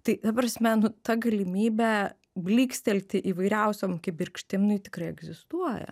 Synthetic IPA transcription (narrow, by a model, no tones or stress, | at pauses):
t̪ɐɪt̪ɐpɾɐsʲmʲɛnʊt̪ɐɡɐlʲɪmʲiːbʲæ | bʲlʲiːksʲt̪ʲɛlʲt̪ʲɪʔiːʋɐɪɾʲɛʊsʲomkʲɛbʲɪrkʃʲt̪ʲɪmnʊɪt̪ʲɪkrɐɪɛɡzʲɪst̪uɔjɛ̰